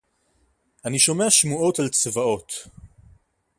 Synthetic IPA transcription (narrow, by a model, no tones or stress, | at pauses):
aniʃo̞me̞aʃmuʔo̞talt͡sevao̞t